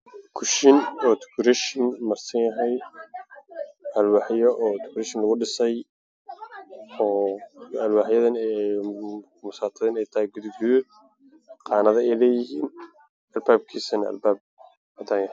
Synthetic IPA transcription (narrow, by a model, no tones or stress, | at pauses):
kʰʊʃɪnɔːt̪ʰʊ̥kʰʊɾɛʃɪnmɐrsɐnjɐɦɛj | ɐlwɑːħjɔʔɔːt̪ʰʊ̥kʰʊɾɛʃɪnlɐɣʊɖɪsɛj | ɔːɐlwaːħjɐðɐnɛ | mʊsaːt̪ʰɐðɪnɛjt̪ʰɐhɛjɡuðɪɡʊðɪ | qɑːnɐðɐɛjlɛːjɪhiːn | ɐlbaːb̚kʰiːsɐnɐ̰lbaːb̚ | ɐt̪ʰanjɐh